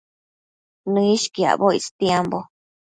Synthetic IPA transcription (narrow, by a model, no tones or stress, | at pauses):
nũiʃkia̰βoḭst̪jambo